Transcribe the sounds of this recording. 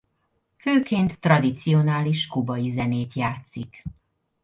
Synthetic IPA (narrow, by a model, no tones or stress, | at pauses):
føːkeːnt̪ːrɒd̪it̪sijo̞naːliʃkubɒjizɛneːt̪jaːt̪sik